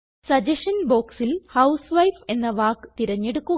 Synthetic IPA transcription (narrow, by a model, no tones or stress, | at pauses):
sɐd͡ʑɐʂɐnbo̞ːksilhɐwsʋɐjfe̞nːɐʋaːkɨ̥t̪iɾɐɲːe̞ɽukːu